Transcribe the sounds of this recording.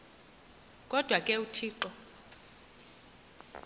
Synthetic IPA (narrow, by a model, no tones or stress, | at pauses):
kʼɔd̥ʱwakʼɛutʰiːǃɔ